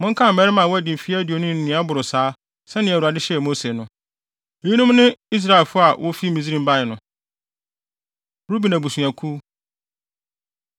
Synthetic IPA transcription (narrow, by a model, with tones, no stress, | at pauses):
mʊ̃˦ŋ̩˦kʰã˦m̩ː˨mɛ˦ɾɪ˦mã˨wɔ˦æ˨dɪ̃˨m˨fi˦di˨o˨nʊ̃˦n̩˨nɪ̃˨˦a˦bʊ˨ɾʊ˨saː˨˦ | sɛ̃˦nɪ̃˨ɛ˨u˨a˨dɪ˦ɕɛ˦˨mo˦se˨nʊ̃˦ | e˨ji˦nʊ̃˦m˦nɪ̃˦i˦s̬ɾa˦ɪ˨lfʊ˦a˨wʔʊ˦fi˦mĩ˨zi˦ɾĩ˦mba˦ɪ˨nʊ̃˨ | ɾu˦bi˨nã˨bu˨su˨a˨kʰuː˦